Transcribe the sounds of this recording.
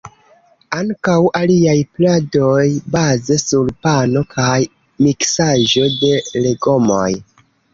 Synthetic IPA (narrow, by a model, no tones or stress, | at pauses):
aŋkawʔaliajplado̞jbazesuɾpano̞kʰaj | miksaʒo̞de̞leɡo̞mo̰j